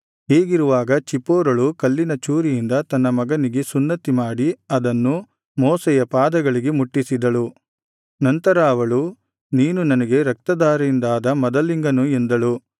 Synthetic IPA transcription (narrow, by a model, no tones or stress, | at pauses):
ɦeːɡiɾuʋaːɡɐt͡ʃipːɔːɾɐɭukɐlːinɐt͡ʃuːɾijind̪ɐt̪ɐnːɐmɐɡɐniɡe̞sunːɐt̪imaːɽiɐd̪ɐnːu | mɔːsɛjɐpaːd̪ɐɡɐɭiɡe̞muʈːisid̪ɐɭu | nɐnt̪ɐɾaːʋɐɭu | niːnunɐnɐɡe̞ɾɐk̚t̪ɐd̪aːɾɐind̪aːd̪ɐmɐd̪ɐliŋɡɐnuend̪ɐɭu